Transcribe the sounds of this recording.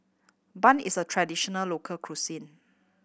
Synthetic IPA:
bãnisətʰɹadiʃɔnəlːokʰəlkʰɹusĩn

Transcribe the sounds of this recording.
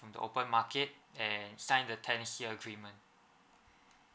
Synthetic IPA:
fɹɔ̃mdə̰ʔo̰pə̃nmaket̚ɛ̃nsãɪ̃ndətʰɛ̃nsiəɡɹimə̃n

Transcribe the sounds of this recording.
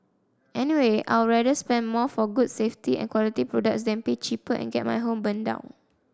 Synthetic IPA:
ʔɛniweʔa̰jɹɛdəspɛ̃nmɔfɔɡudseftiɛ̰̃nkwɔlitipɹodək̚sdɛ̃npet͡ʃipəʔɛ̰̃nɡɛ̰t̚mʔa̰jɦõmbə̃ndã̰ʊ̃n

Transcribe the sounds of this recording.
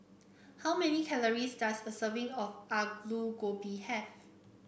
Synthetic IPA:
hawmɛnikʰɛləɹisdasdəsəvɪ̃ŋɔfaɡluɡobihɛv

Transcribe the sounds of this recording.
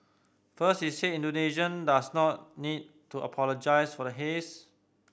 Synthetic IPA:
fəsthisetĩndoneʃə̃ndasnɔt̚nid̚tuʔə̰pʰɔlod͡ʒaɪsfɔɾəɦes

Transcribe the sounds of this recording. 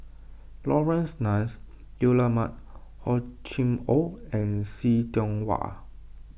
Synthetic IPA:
lɔɹɛ̃nsnãns | julamat̚ | hɔt͡ʃĩmoɛ̃nsitɔ̃ŋwa̰

